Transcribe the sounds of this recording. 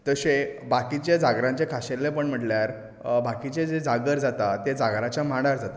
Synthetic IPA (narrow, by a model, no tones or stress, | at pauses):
t̪əsebakit͡ɕjad͡zaɡɾãɲt͡ɕekʰaɕeɾlːepəɳm̤əʈljaɾ | bakit͡ɕed͡zed͡zaɡəɾd͡zat̪at̪ed͡zaɡɾat͡ɕjamaɽaɾd͡zat̪a